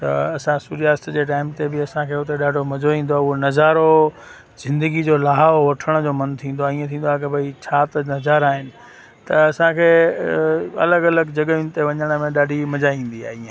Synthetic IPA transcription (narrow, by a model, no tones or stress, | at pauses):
t̪ɐ̰ɐsãsuːɾijaːst̪d͡ʑeːʈ̬aːɪmt̪ebɪɐsãkʰeːɦʊt̪eɗaːɖʱomɐd͡ʑoĩːn̆d̪oaːʊɦonɐzaːɾo | z̥ɪ̃nd̪əɡid͡ʑoːlaːɦaʋɐʈʰəɽ̃d͡ʑoːmɐnt̪ʰĩːnd̪oaːiːə̃t̪ʰĩːn̆d̪oak̬ɐbʱɐit͡ɕʰaːt̪ɐnɐzaːɾaːɦɪnɪ̆ | t̪ɐɐsãkʰeː | ɐ̰ləɡɐləɡd͡ʑɐɡəĩnɪt̪eʋɐɲəɽ̃mẽɗaːɖʱimɐd͡ʑaːĩːn̆d̪ia̰ːɦiːẽ